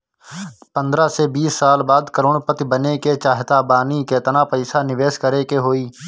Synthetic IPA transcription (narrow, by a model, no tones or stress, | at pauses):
pə̃nd̪ɾasebiːsːaːlbaːd̪kəɾoːɽpət̪ibəneket͡ʃaːɦt̪aːbaːnikeːt̪ənapəɪsanɪʋeːʃkəɾekeɦoːiː